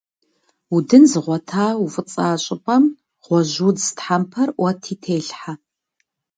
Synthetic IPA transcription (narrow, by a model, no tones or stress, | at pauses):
udɨnzɨʁʷɔtʰaːufɨt͡sʼaːɕʼɪpʼɐm | ʁ̥ʷɔʒuːdtħampʰɐrwɐtʰiːtʰeːɬħa